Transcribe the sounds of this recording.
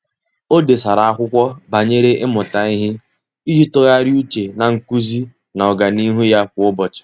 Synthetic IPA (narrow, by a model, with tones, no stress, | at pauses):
o˦de˨sa˨ɾa˨a˦kʷʊ˦kʷɔ˦ba˨ɲe˦ɾe˦ʔɪ˦mʊ˨ta˨i˦ɦɪ˦ | i˦d͡ʒi˦tɔ˦ja˦ɾju˦t͡ʃe˨na˨ŋ̩˨ku˦zi˦ | na˨ɔ˨ɡa˨ni˦ɦu˦ja˦kʷʊ˨ʊ˦bɔ˨t͡ʃɪ̥˨